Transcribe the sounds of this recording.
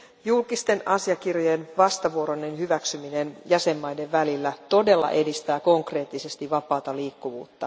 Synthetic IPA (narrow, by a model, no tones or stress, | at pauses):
julkist̪e̞nɑsiɑkirjojenʋɑst̪ɑʋuo̞ɾonːenhyʋæksyminenjæse̞mːɑjde̞ʋʋælilːæt̪o̞de̞lːɑ̰ʔe̞dist̪æːko̞ŋkre̞ːt̪ːise̞st̪iʋɑpɑːt̪ɑliːkːuʋṵːt̪ːɑ